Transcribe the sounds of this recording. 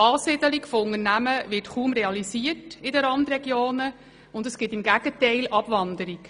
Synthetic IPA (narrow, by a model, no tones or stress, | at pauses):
ɑːsɪd̥̪əlikfoʊnəɾnæməʋɪtχuːmɾeɑlisiətɪdəɾɑnd̪rɛɡjoːnə | ʊndəsɡ̥ɪtɪmɡæɡ̥ətɛɪlɑb̥ʋɑnd̪əɾik